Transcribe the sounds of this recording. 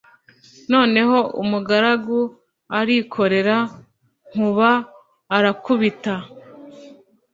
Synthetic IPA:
no̞ːne̞ɦo̞ʔumuɡaɾaɡu | aɾikʰo̞ɾe̞ɾa | ŋ̥uβaː | ɾakuβita

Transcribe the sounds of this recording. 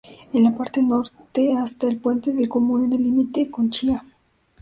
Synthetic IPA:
enlapaɾt̪eno̞ɾt̪east̪aelpwe̞nt̪eðelkomũned̪elimit̪ekont͡ʃia

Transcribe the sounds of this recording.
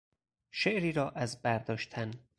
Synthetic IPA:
ʃeʔɾiːɾɒːʔæzbæɾd̪ɒːʃt̪ʰæn

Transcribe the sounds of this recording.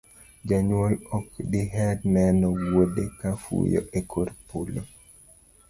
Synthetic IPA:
d͡ʒaɲwolɔkdiɦɛdnɛnɔwodekafṵjo̰ʔekʰoɾpulo

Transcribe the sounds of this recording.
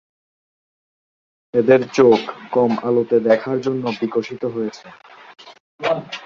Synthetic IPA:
ed̪eɾt͡ɕokkɔmalot̪ed̪ɛkʰaɾd͡ʑonːobikoʃit̪oɦojet͡ɕʰe

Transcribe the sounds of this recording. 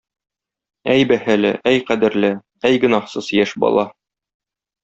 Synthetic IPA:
æjbæhælɘ̰ʔæjqæd̪ɘ̆ɾlɘ | æjɡɵ̆nɑhsɤzjæʃbɒ̰lˠɑ

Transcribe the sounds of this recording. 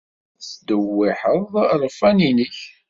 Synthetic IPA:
t͡sd̪əwːiħəðˤɾˤfæninəç

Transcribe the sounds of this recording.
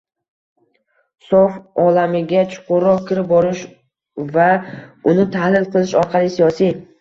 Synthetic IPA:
sofɒlamɪɡʲat͡ʃʰʊ̥qʰʊɾːɒq̚kʲʰɪɾɪp̚bɒɾɪʃ | vaʊnɪt̪ʰahlɪlˠqɨlˠɪʃɒɾqʰɑlˠɪsijɒsij

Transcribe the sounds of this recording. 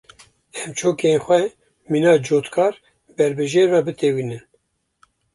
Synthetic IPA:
ɛmt͡ʃʰoːkenxʷɛ | minɑːd͡ʒoːt̪kʰɑːɾ | bɛɾbɨʒeːɾvɑbɨt̪ewiːnɨn

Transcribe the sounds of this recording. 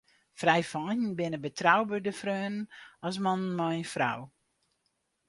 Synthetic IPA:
frɛjfɔːjənbɪnəbətʰrawbədəfrøːnənɔs̬mɔnənmɔjnfra̰w

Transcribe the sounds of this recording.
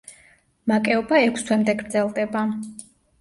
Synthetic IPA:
makʼɛɔbaɛkʰst̪ʰwɛmd̪ɛɡɾd̪zɛlˠd̪ɛba

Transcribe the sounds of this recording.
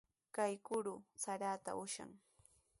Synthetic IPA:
kajkʊɾʊsaɾaːt̪a̰ʊʃa̰ŋ

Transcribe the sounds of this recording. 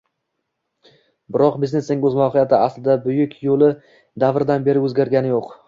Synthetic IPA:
bɪɾɒqbizne̞snɪŋɵzmɒwhɪjat̪ʰɪaslɪd̪abʊjʊkʲʰjolˠɪ | d̪avɾɪd̪anbe̞ɾɪɵzɡʲaɾɡʲanɪjoq

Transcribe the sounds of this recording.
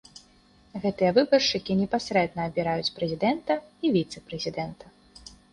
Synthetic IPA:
ɣɛt̪ɨjɐvɨbɐrʂɨkʲinʲɛpasɾɛd̪nɐːbʲiɾajut͡sʲpɾɛzʲid̪ɛnt̪ɐivʲit̪sɛpɾɛzʲid̪ɛnt̪ɐ

